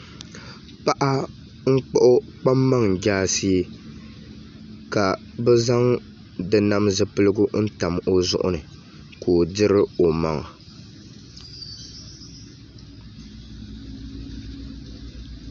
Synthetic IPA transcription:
pa˦ʔa˦ | ŋ̩˦k͡pɔ˦ʔʊ˦ | k͡pa˦mːa˦ŋ˨d͡ʒaː˦si˦ | ka˨ | bɛ˦za˦ŋ | dɨ˨na˦mzɨ˦pɨ˦lɨ˦ɡʊ˦n̩˦ta˨mo˦zʊ̰˦ʔʊ̰˦nɨ˨ | koː˨dɪ˦ɾɨ˦o˨ma˨ŋ˨

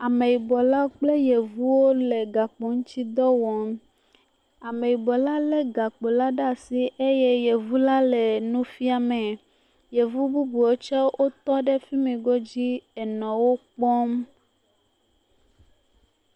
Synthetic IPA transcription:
a˨mẽ˨ji˨bɔ˨la˦o˦k͡ple˦je˨vu˦wo˦le˨ɡa˨k͡pɔ˨ŋũ˦t͡ɕi˦d̪ɔ˦wɔ˨m | a˨mẽ˨ji˨bɔ˨la˦lɛ˦ɡa˨k͡po˨la˦ɖa˦˨si˦ʔe˦jɛ˦je˨vu˦la˦lɛ˨nũ˦fi˦a˨mɛ̃˨ | je˨vu˦bu˦bu˨wo˦t͡ʃɔ˦wʔo˦t̪ɔ˦ɖɛ˦fi˦mɛ̃˨ɡɔ˦d͡ʑi˦ɛ˨nɔ̃˨wo˦k͡pɔ˦m

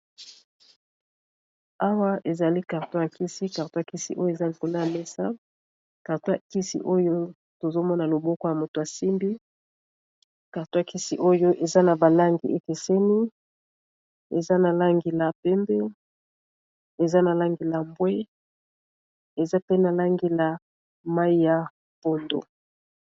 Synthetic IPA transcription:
a˦wa˦ʔe˨za˨li˦ka˨ʁto˦ja˨ki˦si˦ka˨ʁto˦a˨ki˦si˦ʔo˦jo˦e˨za˦li˨ko˨na˦a˨me˦sa˦ | ka˨ʁto˦ja˨ki˦sḭ˦ʔo˦jo˦ | to˨zo˦mɔ˦na˨lo˨bɔ˦kɔ˦ja˨mo˨to˨a˨si˦mbi˦ | ka˨ʁto˦a˨ki˦si˦ʔo˦jo˦ʔe˨za˦na˨ba˨la˦ŋɡḭ˨ʔe˦ke˨se˦ni˦ | ḛ˨za˦na˨la˦ŋɡi˨la˨pɛ˦mbɛ˦ | e˨za˦na˨la˦ŋɡi˨la˨mbwɛ˦ | e˨za˦pe˦na˨la˦ŋɡi˨la˨ | ma˦i˦ja˨ | po˨ndo̰˨

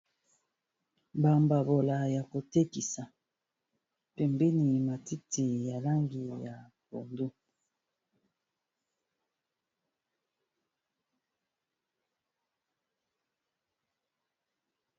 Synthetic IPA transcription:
ba˨mba˨bo˨la˨ja˨ko˨te˦ki˨sa˨ | pɛ˨mbɛ˦ni˨ma˨ti˦ti˨ja˨la˦ŋɡi˨ja˨bo̰˨ndu˦

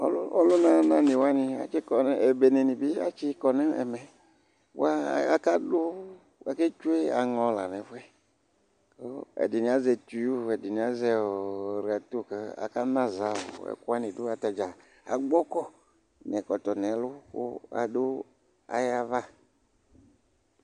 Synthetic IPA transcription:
ɔ˦lɔ˦lʊ˦nã˦nã˨ni˨wa˦ni˧a̰˨t͡ʃi˦kɔ˨n˦ɛ˨be˨ne˨nĩ˨bi˦a̰˨t͡ʃi˦kɔ˨nɛ˦ɛ̰˨mɛ˨ | wa˦˨a˦ka˦dʊ˦ | a˦ke˦t͡ʃu˦e˦a̰˨ŋɔ˨˦la˨nɛ˨˦fu˦ɛ˦ | ko˦ɛ̰˨di˨nĩ˨a˦zɛ˨tu˨ju˦ɛ˨di˨ni˨a˨˦zɛ˨ɾi˨a˨t̪u˦˨kɛ˦a̰˨ka˦nã˦za˨˦ʊ̰˨ɛ̰˨ku˦a˦nĩ˨dʊ˦a˨t̪a˨d͡ʒa˨ | a̰˨ɡ͡bɔ˦kɔ˦ | nɛ˨kɔ˨t̪ɔ˨nɛ˨˦lʊ˦kʊ̰˦a̰˨dʊ˦ | a̰˨ja˦va˦

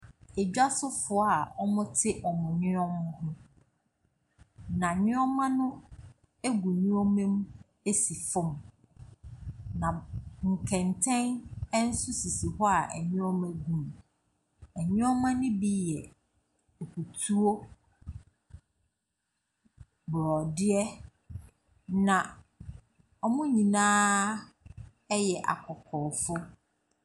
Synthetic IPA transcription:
ɛ˨d͡ʑᶣa˦sʊ˦fʊ˨a˨ɔ˦mʊ̃˦tʰɪ˦ʔɔ˨mʊ̃˨ɲɪ̃˦ɔ̃˦mã˦hʊ̃˦ | nã˨ɲɪ̃˦ɔ˦mã˦nʊ̃˦ | e˦ɡu˨ɲʊ̃˦o˦mẽ˦m | e˦si˨fʊ̃˦˨m | nã˨ŋ̩˨kʰɛ̃˨ntʰɛ̃˦nɛ˦n̩˦sʊ˦si˨si˨hɔ˦a˨ʔæ˨ɲʊ̃˦ɔ˦mæ̃˦ɡũ˨m˨ | æ˨ɲʊ̃˦ɔ˦mã˦nɪ̃˦bi˦jɛ˨ | o˨kʰu˨tʰu˦o˦ | bɾɔ˨dɪ˦ɛ˦ | nã˨ | ɔ˨mʊ̃˦ɲĩ˨nãː˦ | ɛ˦jɛ˨ʔa̰˨kʰɔ˨kʰɔː˨fʊ˦

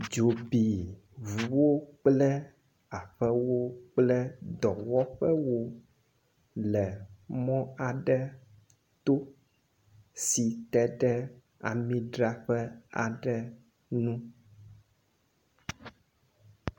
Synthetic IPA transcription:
d͡ʒo˨bi˨ | vu˨wo˦k͡plɛ˦ | a˨ɸɛ˦wo˦k͡plɛ˦d̪ɔ˨wɔ˦ɸɛ˦wo˦ | lɛ˨mɔ̃˦a˨ɖɛ˦ | t̪o˦ | si˨t̪ɛ˦ɖɛ˦ | a̰˨mĩ˦ɖɾa˦ɸɛ˦a˨ɖɛ˨ | nũ˦

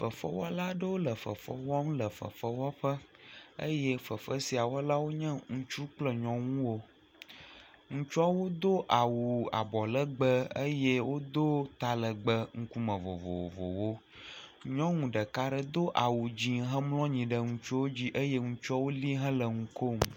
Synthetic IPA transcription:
fə˨fə̰˦wɔ˦la˦ɖə˦wo˦lə˨fə̰˨fə̰˦wɔ˦m˦lə˨fə̰˨fə˦wɔ˦ɸə˦ə̰˦jɛ˦fə˨fə˦si˨a˨wɔ˦la˦wo˦ɲə̃˦ŋũ˨t͡ʃu˦k͡plə˨ɲɔ̃˦ŋũ˦wo˦ | ŋũ˦t͡ʃɔ˦wo˦d̪o˦ʔa˨wu˨a̰˨bɔ˨lə˦ɡ͡bə˦ə˦je˦wo˦d̪o˦t̪a˨lə˨ɡ͡bə˦ŋ̩˦ku˦mə̃˨vo̰˨vo̰˨vo̰˨wo˦ | ɲɔ̃˦ŋũ˨ɖə˨ka˦ɖə˨d̪o˦ʔa˨wu˨d͡ʑi˦ɦə̃˦mlɔ̃˦ɲĩ˨ɖə˦ŋũ˨t͡ʃu˦wo˦d͡ʑi˦ʔə˦jɛ˦ŋũ˦t͡ʃɔ˦wo˦li˦ɦə̃˦lə˨ŋũ˨ko˦m˨

